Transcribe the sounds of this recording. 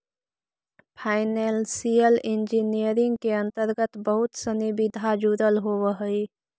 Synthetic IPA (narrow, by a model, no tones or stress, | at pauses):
pʰaːɪnelsijəlɪ̃nd͡ʒinijəɾɪ̃ŋɡkeə̃nt̪əɾɡət̪bəɦʊt̪sənibɪd̪ʱad͡ʒuːɾəlɦowəɦəi